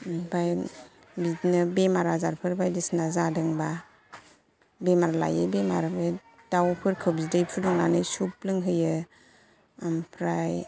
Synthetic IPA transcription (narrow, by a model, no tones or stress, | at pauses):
baj | biznɯbemaɾazaɾpʰɯɾbajdisnazadɯŋba | bemaɾala̰jɯbemaɾabe | dawpʰɯɾkʰɯbzidɯjpʰɯɾdɔŋnanɯjsup̚lɯŋɦɯjɯ | ampʰɾaj